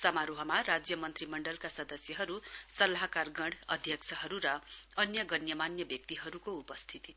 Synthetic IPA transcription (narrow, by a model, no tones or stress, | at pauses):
sʌmaɾuɦʌmarad͡zjʌmʌnt̪rimʌɳɖʌlkasʌd̪ʌsjʌɦʌɾusʌlaɦakarɡʌɽʌd̪ʱjʌkt͡sʰʌɦʌɾuɾʌʌnjʌɡʌnjʌmanjʌbjʌk̚t̪iɦʌɾukoupʌst̪ʰit̪i